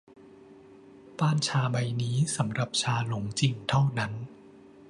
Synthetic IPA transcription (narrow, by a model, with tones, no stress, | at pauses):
paː˥˩nt͡ɕʰaː˧ba˧jniː˦˥sa˩˦mɾa˨˩p̚t͡ɕʰaː˧lo˩˦ŋt͡ɕi˧˩ŋt̪ʰa˥˩wna˦˥n